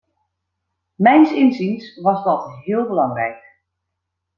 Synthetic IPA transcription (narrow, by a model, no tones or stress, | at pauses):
mɛjnsɪnzinsʋɑsdɔtɦɪəlˠbəlɑŋrɛ̰jk̚